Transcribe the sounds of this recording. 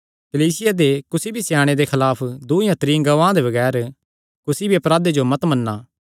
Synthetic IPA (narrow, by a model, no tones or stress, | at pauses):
kɐliːsɪjad̪ekʊsibʱisjaːɽ̃ed̪exʰɐlaːpʰd̪uijãt̪ɾĩːɡɐʋãːd̪ebɐɡɛːɾ | kʊsibʱiɐpɾaːd̪ed͡ʒomɐt̪mɐnːaː